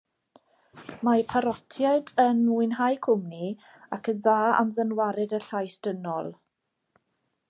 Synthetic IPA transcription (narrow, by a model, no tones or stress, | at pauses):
mapʰaɾɔtʰjaɨdənuɨnɦajkʰʊmni | akʰənðaːa̰mðənwaɾɛdəɬajsd̥ənɔlˠ